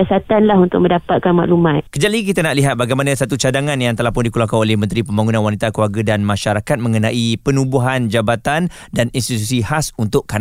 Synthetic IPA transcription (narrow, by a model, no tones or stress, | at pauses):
asat̪anlaɦunt̪ʊk̚mə̃ndapat̪̚kanma̰ʔlumat̪̚kəd͡ʒalik̬it̪anaʔliɦat̪̚baɡajmanãsat̪ut͡ʃadaŋãnjaŋt̪əlahpʊndikulakanolɛhmənt̪ɾipəmbaŋunãnwanit̪akluarɡadanmãʃaɾakat̪̚mə̃ŋənãʔipənubuɦand͡ʒabat̪an | daninst̪it̪usihasunt̪ʊʔkːan